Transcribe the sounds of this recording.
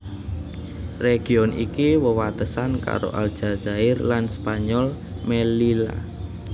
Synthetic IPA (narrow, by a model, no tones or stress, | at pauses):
reɡ̥i̤ɔnḭkiwəwat̪əsanka̰ɾo̰ʔa̰ld̥ʒ̥a̤zaɪrlanspaɲɔl | melila̰